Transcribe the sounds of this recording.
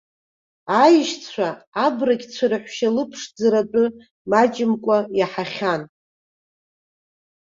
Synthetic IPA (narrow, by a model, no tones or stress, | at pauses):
ajɪʃt͡sʰʷaːbraɡʲt͡sʷʰaɾaħʷʃalɨpʰʂd͡zaɾat͡pʼɨ | mat͡ʃʼɪmkʷʼajaħaχʲan